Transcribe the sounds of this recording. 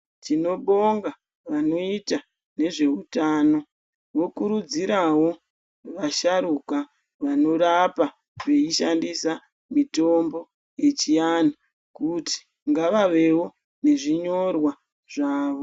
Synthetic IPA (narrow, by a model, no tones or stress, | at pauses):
t͡ʃino̞ɓo̞ŋɡa | ʋano̞ita | ne̞ʐe̞ɦutaːno̞ | ʋo̞kuɾud͡ziɾawo̞ | ʋaʃaɾuka | ʋano̞rapa | ʋe̞iʃandisa | mito̞mbo̞ | je̞t͡ʃijana | kuti̥ | ŋɡaʋaʋe̞wo̞ | ne̞ʐiɲo̞rwa | ʐ̥aːʋo̞